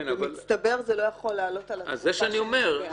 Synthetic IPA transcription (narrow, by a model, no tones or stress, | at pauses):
navmailt͡st̪ɐbe̞ʁzelo̞jaχo̞lːaːlo̞t̪alaa̰zːeʃeaniome̞ʁ